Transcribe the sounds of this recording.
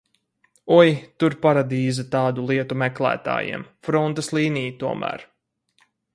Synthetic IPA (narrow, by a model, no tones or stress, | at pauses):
ɔjt̪uɾpaɾad̪iːzat̪ɑːd̪ulˠiɛt̪umɛklˠæ̰ːt̪a̰ːjḭɛmfɾɔnt̪ɐslˠiːnijt̪uɔmʔæ̰ːɾ